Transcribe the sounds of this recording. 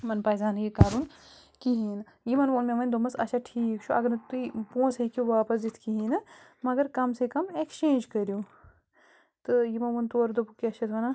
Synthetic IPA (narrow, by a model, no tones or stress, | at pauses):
mɐnpaːjzaːnjikaːɾuːn | kiɦiːn | jimɐnʋoːnmẽʋɐnd̪omɐsɐʃʰɐʈʰiːkt͡ʃʰuʔɐɡɐɾnɐt̪uipõːsɦekuʋaːpɐs̬d͡ʒit̪ʰkiɦinɐ | mɐɡɐɾkɐmsekɐmekt͡ʃẽːnd͡ʒkɐɾijuː | t̪ɨjimɐnʋɐnt̪oːɾd̪opukiɐʃʰɐt̪ʰʋɐnɐ